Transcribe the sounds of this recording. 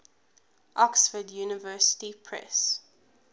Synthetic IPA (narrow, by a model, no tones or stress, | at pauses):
ʔɔksfədjuːnəvɜːˑsə̥tipʰɹɛ̰s